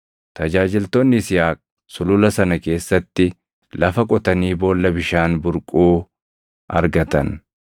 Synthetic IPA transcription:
t̪ɐd͡ʒaːd͡ʒɪlt̪oːnːɪsɪjaːkʼ | sʊlʊlɐsɐnɐke̞ːsːɐt̪ːɪ | lɐfɐkʼɔt̪ɐniːbo̞ːlːɐbɪʃaːnbʊɾkʼuː | ʔɐ̰ɾɡɐt̪ɐn

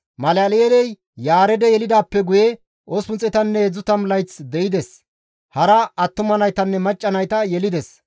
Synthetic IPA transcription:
mɐlɐlelɛj | jaːɾɛd̪ɛjɛlɪd̪aːpːɛɡʊjɛ | ʔosʊnt͡sʼɛt̪ɐnːɛhɛd͡zːʊt̪ɐmlɐjt͡sd̪ɛɪd̪ɛs | hɐɾɐɐt̪ːʊmɐnɐjt̪ɐnːɛmɐt͡ʃʼːɐnɐjt̪ɐjɛlɪd̪ɛs

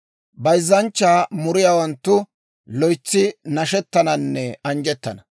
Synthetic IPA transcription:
bɐjzːɐnt͡ʃːaːmʊɾɪjaːwɐnt̪ːʊ | lɔjt͡sːɪnɐʃɛt̪ːɐnɐnːɛɐnd͡ʒɛt̪ːɐnɐ

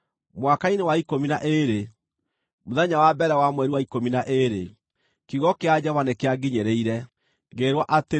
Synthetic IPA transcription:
mwakainewaikominaʔeɾe | moðaɲawabɛɾɛwamwɛɾiwaikominaʔeɾḛ | kiɣɔkead͡ʑavanekeaɡiɲeɾeiɾɛ | ɣeɾwɔʔate

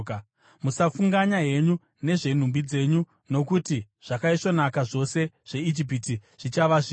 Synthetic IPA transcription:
k | musafuŋɡaɲaje̞ɲu | ne̞ʐe̞n̤umbid͡ze̞ɲu | no̞kuti | ʐ̥akaiʂo̞nakaʐo̞se̞ | ʐ̥e̞id͡ʒip̬itiʐ̥it͡ʃaʋaʐi

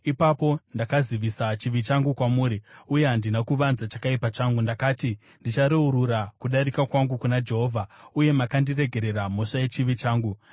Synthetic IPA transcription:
ipapo̞ndakaziʋisat͡ʃiʋit͡ʃaŋɡukwamuːɾiuje̞ɦandinakuʋanzat͡ʃakaipat͡ʃaŋɡundakaːti | ndit͡ʃaɾeuɾuɾakuɗaɾikakwaŋɡukunad͡ʒe̞ɦo̞ːvʱauje̞makandire̞ɡʱe̞ɾe̞ɾam̤o̞ʂaje̞t͡ʃiʋit͡ʃaːŋɡu

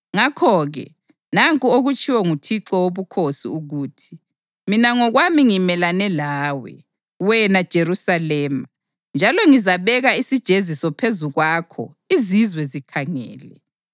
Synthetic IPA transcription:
ŋakʰɔɣɛ̰ | naŋkʼuoɣut͡ʃʰʼiwɔŋutʰiǁɔwoβukʰosḭuɣuːtʰi̥ | minaŋɔɣwamiŋimɛlanɛlaːwɛ̰ | wɛnad̥ʒ̥ʱerusalɛːma | nd͡ʒʱalɔŋizaβɛɣaisid̥ʒ̥ʱezisɔpʰezuɣwakʰɔ̰ | izizwɛzikʰaŋɛ̰ːlɛ

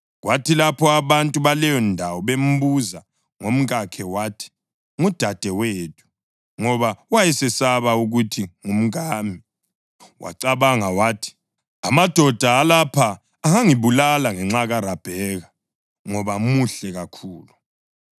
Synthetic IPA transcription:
ɣwʔatʰilapʰɔaβantʼuβalɛjɔndʱawɔβem̩βuza | ŋom̩ɣʼakʰɛwatʰi̥ | ŋud̥ʱad̥ʱɛweːtʰu̥ | ŋɔβawajɛsɛsaβauɣutʰiŋum̩ɣaːmi | wʔa̰ǀaβaŋawaːtʰi̥ | amad̥ʱɔd̥ʱaːlapʰaː | ŋaŋiβulalaŋɛŋ͡ǁaɣaɾab̥ʱɛɣa | ŋɔβamuɬɛɣakʰuːlu

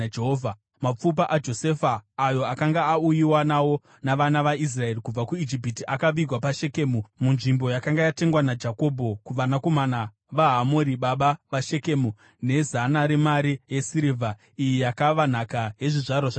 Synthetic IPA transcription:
eɦoːvʱa | map͡fup̬aʔad͡ʒo̞se̞faːjo̞akaŋɡaːujiwanawo̞ | naʋanaʋais̬rae̞rikub͡vakuid͡ʒip̬itiʔakaʋiɡwapaʃe̞ke̞ːmumunʐimbo̞jakaŋɡajate̞ŋɡwanad͡ʒako̞bʱo̞kuʋanako̞mana | ʋaɦamoɾiɓaɓaʋaʃe̞ke̞mu | ne̞zanaɾemaɾijesiɾivʱa | ijijakaʋan̤akaɦe̞ʐiʐarwaʐa

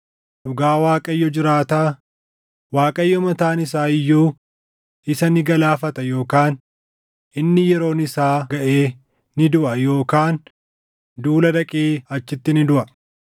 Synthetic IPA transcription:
ʔʊɡaːwaːkʼɐjːɔd͡ʒɪɾaːt̪aː | waːkʼɐjːɔmɐt̪aːnɪs̬aːɪjːuː | ɪsɐnɪɡɐlaːfɐt̪ɐjo̞ːkaːn | ɪnːɪjɛɾo̞ːnɪsaːɡɐʔeː | nɪd̪ʊʔɐjo̞ːkaːn | d̪uːlɐd̪ɐkʼeːɐt͡ʃːɪt̪ːɪnɪd̪ʊʔɐ

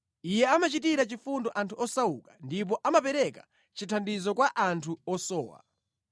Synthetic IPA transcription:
ijɛamat͡ʃitiɾat͡ʃifundɔʔantʰuɔsaukḁndip̬ɔʔamapɛɾɛkḁ | t͡ʃitʰandizɔkwaʔantʰuɔsɔ̰ːwa̰

